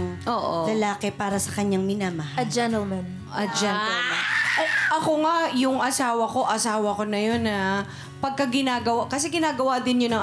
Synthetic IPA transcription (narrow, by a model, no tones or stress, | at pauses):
ʔoːʔolɐlaːkɛpaːɾɐsɐkɐɲːaŋmɪnamɐhaɐd͡ʒɛnt̪ɛlmɛn | ʔɐd͡ʒɛɛlmʔɐjʔɐkoŋajʊŋʔɐsaːwɐko̞ʔɐsaːwɐko̞nɐjo̞nːɐ | pɐɡ̚kɐɡɪnaːɡɐwakɐsɛɡɪnaːɡɐwad̪ɪnɲonɐŋ